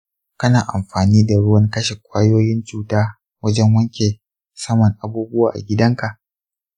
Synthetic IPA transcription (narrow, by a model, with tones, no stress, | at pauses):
kɐ˦naː˨ʔa̰˨mɸaː˨niː˦da˨ɽʊ˦wɐ˦ŋkɐ˦ʃe˨kʷʼaː˦joː˦jɪ˦nt͡ʃuː˦taː˦ | wɐ˦d͡ʒɛ˦ŋwɐ˦ŋkʲe˨ | sɐ˦mɐ˨ŋʔa˨buː˦bʊ˦waː˨ʔa̰˨ɡʲɪ˦dɐ˦ŋka˨ʔ